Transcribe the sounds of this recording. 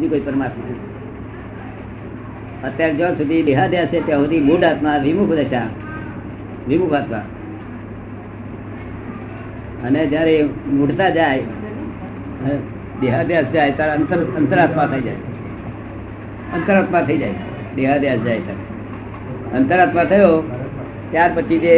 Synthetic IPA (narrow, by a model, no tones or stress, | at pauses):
ɦd̪ikoipəɾmat̪ | ət̪jaɾd͡ʒəsud̪ʱid̪eɦad̪jast͡ʃʰet̪jãɦod̪imoɖat̪maʋɪmukʰd̪əʃa | ʋimukʰat̪ma̰ | əned͡ʒjaɾemuɽt̪ad͡ʒaj | d̪eɦad̪jasd͡ʒajt̪jaɾənt̪əɾənt̪əɾat̪mat̪ʰəid͡ʒa̰j | ənt̪əɾat̪mat̪ʰəid͡ʒaj | d̪eɦad̪jasd͡ʒajt̪ʰaɾe | ənt̪əɾat̪mat̪ʰəjo | t̪jaɾpət͡ʃʰid͡ʒe